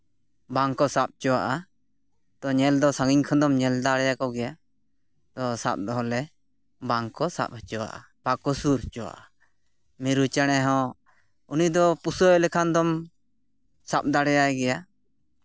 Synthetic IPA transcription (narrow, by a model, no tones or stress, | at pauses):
baŋkɔsap̚t͡ʃɔwaʔa | t̪ɔɲɛld̪ɔsaŋɡiɲkʰɔ̃d̪ɔmɲɛld̪aɽɛjakɔɡɛja | t̪ɔsa̰p̚d̪ɔɦɔlɛ | baŋkɔsa̰p̚hət͡ʃɔwa̰ʔa̰ | b̥akɔsuɾt͡ʃɔwa̰ʔa | miɾut͡ʃaɽ̃ɛɦɔ̃ | unid̪ɔpusɔɛlɛkʰand̪ɔm | sap̚d̪aɽɛjajɛɡɛja